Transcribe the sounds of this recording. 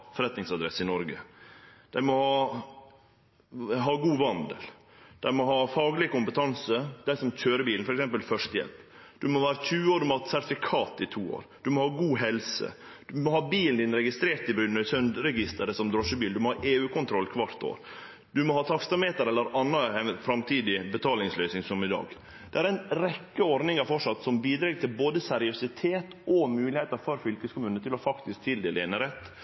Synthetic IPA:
fɔɾɛt̪nɪŋsɑd̪ɾɛsɪnɔɾɡə̰d̪̥æɪmɔhɑː | ɦɑːɡuːʋɑnd̪ə̰l | d̪̥æɪmɔɦɑːfɑːɡlɪəkʊmpət̪ʰɑnsəd̪̥æɪsɔmc͡çøːɾəbiːln̩fɔɾɛksɛmpəlfœʂt̪əjɛ̰lp | d̪̥ʉmɔʋæːɾət̪ʰʉːoːɾd̪ʉmɔhɑːt̪sæt̪fɪkʰɑːt̪ɪt̪ʰuːo̰ːɾd̪̥ʉmɔhɑːɡuːɦɛlsə̰d̪̥ʉmɔhɑːbiːlnd̪ɪnɾɛɡɪst̪ɾeːɾt̪ɪbɾʉnːəsœnd̪ɾɛɡɪst̪əɾəsɔmd̪ɾɔʂəbiːld̪ʉmɔhɑːʔeːʉːkʰʊnt̪ʰɾɔlːkʰʋɑɾt̪o̰ːɾ | d̪ʉmɔhɑːt̪ʰɑkst̪ɑmeːt̪əɾɛlːəɾɑnːəɛnfɾɑmt̪ʰiːd̪ɪbət̪ʰɑːlɪŋslœʏsnɪŋsɔmɪd̪ɑ̰ːɡ | d̪̥ɛæɾæɪnɾɛkːəɔɾd̪nɪŋɑɾfɔʂɑt̪ːsɔmbiːd̪ɾeːɡt̪ʰɪlboːd̪əsæɾɪʊsɪt̪ʰeːt̪ɔmʉːlɪheːt̪əɾfɔɾfʏlkəskʊmʉːnət̪ʰɪlɔfɑkt̪ɪsk̚t̪ʰɪld̪eːləɛnəɾɛt̪ː

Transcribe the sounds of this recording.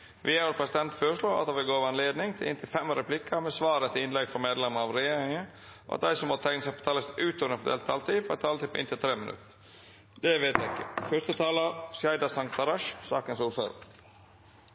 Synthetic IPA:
ʋɪæəɾpʰɾɛsɪd̪ɛnt̪føːɾəʂɭoːʔɑ̰t̪d̪ɑʋɪlɡoːʋɛnleːd̪nɪŋt̪ʰɪlʔɪ̰nt̪ʰɪlfɛmɾɛpʰlɪkʰːəmɛsʋɑːɾət̪ʰɪɪnlɛɡfɔɾmeːd̪lɛməɑʋɾɛjeːɾɪŋə | o̰ʔɑ̰t̪̚d̪æɪsɔmɔt̪ʰæŋnəsæɪpʰɔ̥t̪ʰɑːləst̪ʉːt̪ɔnəfɔd̪ḛːlt̪ʰːɑlt̪ifɔɾɛt̪ʰːɑːlət̪ɪpʰːɔɪ̰nt̪ʰɪlt̪ʰɾeːmɪnʔʉ̰t̪ː | d̪ɛʋeːt̪jæɪkːəfœst̪ət̪ʰɑːləsjæɪd̪ɑsɑŋkt̪ɑɾɑʃsɑːkənsuːsɑ̰ɾə̰

